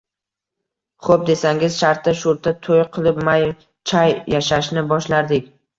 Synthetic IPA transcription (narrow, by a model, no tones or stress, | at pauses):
χop̚d̪e̞saŋɪzʃaɾt̪ːaʃʊɾt̪ʰːat̪ʰojqʰɨlˠɪpmaj | t͡ʃʰajjaʃaʃnɪbɒʃlaɾd̪ɪk̚ʲ